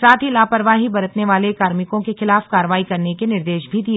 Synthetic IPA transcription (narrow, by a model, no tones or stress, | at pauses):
saːt̪ʰilaːpəɾʋaːɦibɐɾət̪neʋaːlekaːɾmɪkõkexɪlaːfkaːɾəʋaːikɐɾnekenɪɾd̪eːʃbʱid̪ie